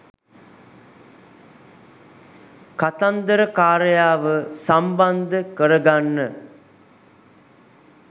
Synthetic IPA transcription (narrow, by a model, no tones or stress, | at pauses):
kat̪and̪əɾəkaːɾəjaːʋəsamband̪əkəɾəɡanːə